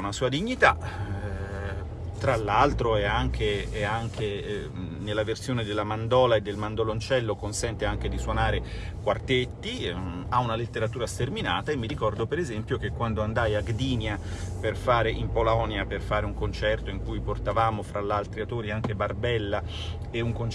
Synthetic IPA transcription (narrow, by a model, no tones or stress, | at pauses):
nasuːad̪iɲːit̪a | t̪ɾalːalt̪ɾoɛaŋk̟ʰeɛaŋk̟ʰe | nelːaversjoːned̪elːamand̪ɔːlaed̪ːelmand̪olont͡ʃɛlːokonsɛnt̪eaŋk̟ed̪iswonaːɾe | kwart̪et̪ːiaunalet̪ːeɾat̪uːɾast̪ermina̰ːt̪aemːiɾikɔrd̪opeɾezɛmpjok̟ekːwand̪oand̪ajaɡd̪iːnjaperfaːɾeʔimpolɔːnjaperfaːɾeuŋkont͡ʃɛrt̪oiŋkujport̪avaːmofɾalːalt̪ɾiat̪oːɾiaŋk̟ebarbɛlːa | euŋkon